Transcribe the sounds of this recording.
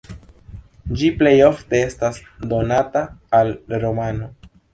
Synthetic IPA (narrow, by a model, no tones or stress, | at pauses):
d͡ʒiple̞jo̞fte̞e̞stasdo̞nataːlɾo̞mano̞